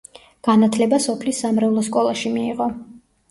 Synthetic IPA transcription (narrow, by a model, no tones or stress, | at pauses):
ɡ̥anat̪ʰlɛbasɔpʰlisːamɾɛulˠɔskʼɔlˠaʃimiːʁɔ